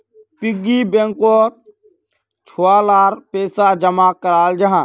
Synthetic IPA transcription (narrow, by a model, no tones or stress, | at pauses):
pɪɡːibẽŋko | t͡ʃʰoalaːɾpeːsad͡ʒəmakəɾaːld͡ʒɐɦãː